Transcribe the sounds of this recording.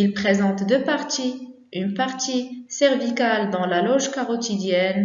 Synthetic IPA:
ilpχezɑ̃t̪d̪øpaʁt̪i | ynpaʁt̪isɛʁvikald̪ɑ̃lalɔʒkaʁɔt̪id̪jɛn

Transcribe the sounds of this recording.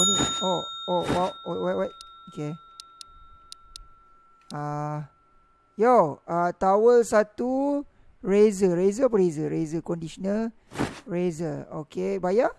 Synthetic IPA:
onioowawowajʔwajt̚oke | a | jaat̪awəlsat̪u | ɹezəɹezəpəɾezəɹezəkɔ̃ndisɔnəl | ɹezəokebaja

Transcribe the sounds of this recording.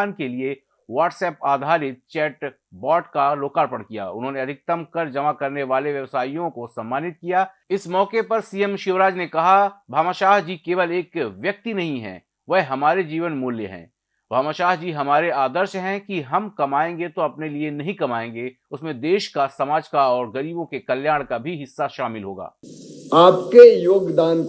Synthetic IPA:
nkelie | ʋaːʈsɛːpaːd̪ʱaːɾɪt̪̚t͡ʃɛːʈ | bɔːʈkaloːkaːɾpɐɽkija̰ʊ̰nɦõːneɐd̪ʱɪk̚t̪ɐmkɐɾd͡ʒɐmakɐɾneʋaːleʋjɐʋsaːijõkosɐ̃mːaːnɪt̪̚kijaː | ɪsmɔːkepɐɾsiːəmʃʊʋɾaːd͡ʒnekɐɦabʱaːmaʃaːɦd͡ʒiːkeːʋəleːkʋjɐk̚t̪inɐɦĩɦɛ̰̃ | ʋɛɦɦɐmaːɾed͡ʒiːʋənmʊːljəɦɛ̰̃ː | bʱaːmaʃaːɦd͡ʒiːɦɐmaːɾeaːd̪əɾʃɦɛ̃kiɦɐmkɐmaːẽːŋɡet̪oɐpnelienɐɦĩkɐmaːẽːŋɡe | ʊsmẽd̪eːʃkasɐmaːd͡ʒkaɔːɾɡɐɾiːbõkekɐljaːɽ̃kabʱiɦɪsːaʃaːmɪlɦoːɡa̰ːaːp̚kejoːɡd̪aːn

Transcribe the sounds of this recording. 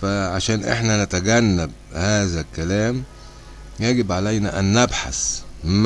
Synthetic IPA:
fæʕaʃæːnʔḛħnænæt̪æɡænːæb̚ | hæːzælkːælæːm | jæɡɪbʕalæjnæʔænːæbħa̰sm

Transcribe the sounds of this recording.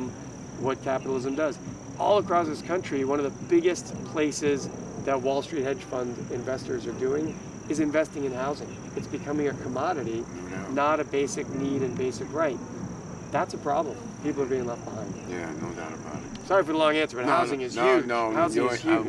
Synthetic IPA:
m | wʌt̚kʰæpəɾl̩ˠɪzɨ̃mdʌz | ʔɔ̰lˠəkʰɹ̥ɔsðɪskʰʌ̃nt͡ʃɹ̥iwʌ̃nʌvðəb̥ɪɡɨst̚pʰl̥eɪsɪz | ðɨt̚wɔlˠstɹ̥it̚hɛ̥ʒ̥fʌ̃ndɨ̃ɱvɛstə˞zə˞dʉɪ̃ŋ | ɨzɨ̃ɱvɛstɪ̃ŋɨ̃nɦaʊzɪ̃ŋ | ɨtsb̥ɨkʰʌmɪ̃ŋɨkʰəmɑɾɨɾi | nəɾɨbeɪsɨk̚niɾɨ̃nbeɪsɨkɹaɪt̚ | ðætsəpʰɹ̥ɑ̰blə̃m | pipl̩ˠə˞biɪ̃ŋlʌfb̥əhãɪ̃ndjæ̰no̰ʊda̰ʊɾəba̰ʊɾɨtsɑɹifə˞ðəlɔ̃ŋæ̃nsə˞ɨnhaʊzɪ̃ŋɨz̥hjʉohaʊzɪ̃ɨz̥jʉ

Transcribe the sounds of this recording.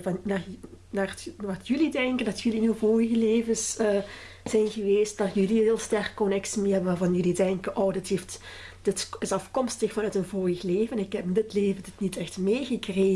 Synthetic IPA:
vnanaːrʋɑtjɵlidɛŋkəndɑtʰjɵliɪnyvoːjəɣəleːvəsə | z̥ɛjnɣəʋeːst̚dɑtjəliɦɪːlˠstɛrkkːɔnɛksimeɦɛbənʋaːrvɑnjɵlidɛŋkənʔoːdɪtheft | d̥ɪtɪsɑfkɔmstəxfɑnœtənvoːjəxleːvənnɪkhɛpndɪtleːvəndɪtnitɛxtmeːɣəkreː

